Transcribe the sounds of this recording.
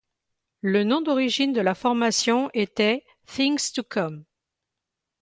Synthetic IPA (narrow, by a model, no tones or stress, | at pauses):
lənɔ̃d̪ɔʁiʒind̪əlafɔʁmasjɔ̃ʔet̪ɛ | θĩŋst̪ukʰɔm